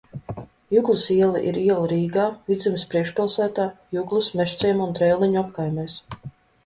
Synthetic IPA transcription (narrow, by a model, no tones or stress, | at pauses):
juɡlˠisiɛlˠiʔiɾiɛlˠaɾiːɡaːvid̪zʲimʲispɾiɛkʃpʲilˠsæːt̪aːjuɡlˠusmɛʃt̪sʲiɛmund̪ɾɛjlˠiɲuapkajmɛjs